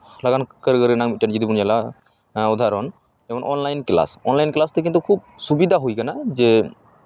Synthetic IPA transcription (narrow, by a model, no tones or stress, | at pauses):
laɡankəɾɡəɾinaŋmit̚ʈand͡ʒɔd̪ipunjala | ɔd̪ʱaɾɔn | ɛbɔnʔɔnlajnkla̰sɔnlajnklast̪ɛk̬int̪̬ukʰub̚subid̪ʱaɦujkanad͡ʒɛ